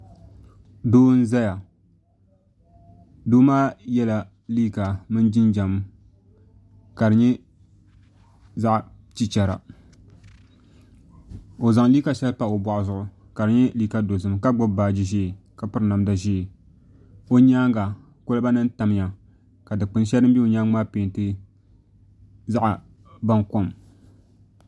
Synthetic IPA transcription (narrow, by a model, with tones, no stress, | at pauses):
doː˦n̩˦za˦ja˨ | doː˦maː˦jɛ˦la˨ | liː˦ka˨mɨ˦nd͡ʒi˦nd͡ʒa˨m˦ | ka˨dɨ˨ɲɛ˦ | za˦ʔ | t͡ʃi˦t͡ʃɛ˨ɾa̰˨ | o˨za˨ŋliː˦ka˨ʃɛ˦lpa˨o˨ba˨ʔʊ˨zʊ˦ʔʊ˨ | ka˨dɨ˨˦ɲɛ˦liː˦ka˦do˨zɨ˨mka˦ɡ͡bʊ˦bbaː˨d͡ʒi˦ʒe˦˨ka˨pɨ˨ɾɨ˨˦na˨mda˨ʒi˦˨ | o˦ɲaː˦ŋɡa˨ | ko˦lɨ˦ba˦nɨ˦n˦ta˨m˦ja˨ | ka˨dɨ˨k͡pɨ˨nʃɛ˦ɾɨ˦mbi˦o˨ɲa˦ŋmaː˦peː˨n˨tɨ˦ | za˦ʔa˨ | ba˦ŋko˦m˨